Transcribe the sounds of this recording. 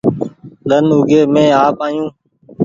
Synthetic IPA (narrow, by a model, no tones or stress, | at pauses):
ɗ̪ənʊɡeːmẽːaːpaːjũː